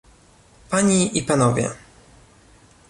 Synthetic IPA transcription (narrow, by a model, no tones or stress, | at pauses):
paɲiʔipanɔvʲjɛ̰